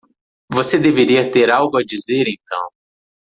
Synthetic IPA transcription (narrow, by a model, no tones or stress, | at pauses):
vosed̪eveɾiɐt̪eɾawɡʊad͡ʒizeɾẽj̃t̪ʰɐ̰̃w̃